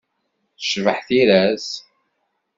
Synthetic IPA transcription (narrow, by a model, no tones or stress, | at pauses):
θə̥ʃvəħθiɾæs